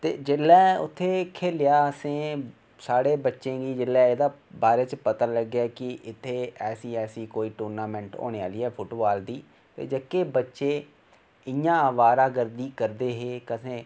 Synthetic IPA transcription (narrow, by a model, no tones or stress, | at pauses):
t̪ḛːd͡ʒɪlːɛːʊ̰t̪ʰːeːkʰeːlɪjaːəsẽː | saːɽeːbətːʃẽːɡiːd͡ʒɪlːɛ̃ːeːd̪aːbaːɾeːt͡ʃpət̪aːləɡːaːkɪʔɪt̪ʰːeːɛːsiːɛːsiːkoːiːʈuːɾnaːmɛ̃ːɳʈo̰ːɽeːaːliːɦɛːpʰʊʈoːaːld̪iː | t̪ḛːd͡ʒəkːeːbətːʃeː | ɪjãːəʋaːɾãːɡəɾd̪iːkəɾd̪eːɦeːkəsẽː